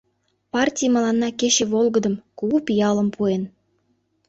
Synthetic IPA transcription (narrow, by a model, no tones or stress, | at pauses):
pɑrtʲijməlɑnːɑket͡ɕeβolɣəd̪əmkuupijɑləmpuen